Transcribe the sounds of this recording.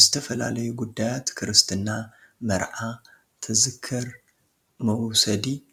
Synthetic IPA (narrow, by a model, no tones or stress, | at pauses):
zɨt̪ʰɐfɐla̰lɐjuɡud̪ːajat̪kʰɨɾɨst̪ʰɨnːa | mɐɾʕa | t̪ʰɨzɨkʰːɨɾ | mɐwsɐd̪i